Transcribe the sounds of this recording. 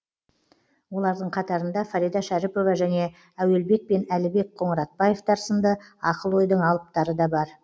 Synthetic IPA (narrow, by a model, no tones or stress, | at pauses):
wo̞lˠɑɾd̪əɴqʰɑt̪ɑɾənd̪ɑfaɾijd̪ɑʃæɾɪpo̞vɑʒæne̞ | æwe̞lbe̞k̚pe̞nælɪbe̞k̚qʰo̞ɴəɾɑt̪̚pɑje̞ft̪ʰɑɾsənd̪əɑqəlˠwo̞jd̪əɴɑlˠəp̚t̪ɑɾəd̪ɑbɑɾ